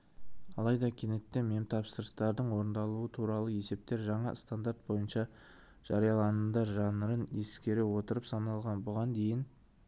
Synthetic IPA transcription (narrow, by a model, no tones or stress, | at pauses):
ɑlˠɑjd̪ɑkʲʰene̞t̪ːeme̞mt̪ʰɑpsəɾəst̪ɑɾd̪əɴwo̞ɾənd̪ɑlˠuət̪ʰuɾɑlˠəe̞se̞p̚t̪e̞ɾʒɑɴɑ̰st̪and̪aɾt̪̚bo̞jənʃɑ | ʒ̥ɑɾijɑlˠɑnəd̪ɑɾʒɑnəɾəne̞skʲe̞ɾewo̞t̪əɾəpsɑnɑlˠʁɑnbʊʁɑnd̪e̞jɪn